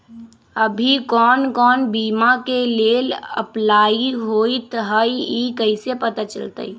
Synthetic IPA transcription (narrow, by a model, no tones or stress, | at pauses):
əbʱikɔːnkɔːnbiːmakeleːlə̰plaːiɦoit̪ɦəiikəɪsepət̪at͡ʃə̰lt̪ə̰i